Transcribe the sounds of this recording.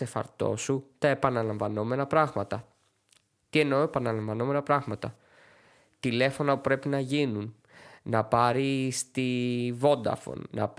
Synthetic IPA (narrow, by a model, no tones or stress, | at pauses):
e̞fɐ̰ɾt̪o̞̰sut̪ɐe̞pɐnɐlɐɱvɐno̞me̞nɐpɾɐɣmɐt̪ɐ | t̪ie̞noepɐnɐlɐɱvɐno̞me̞nɐpɾɐɣmɐt̪ɐ | t̪ile̞fo̞nɐpupɾe̞pinɐʝinun | nɐpɐɾist̪ivo̞nd̪ɐ̰fo̰nnɐ̰p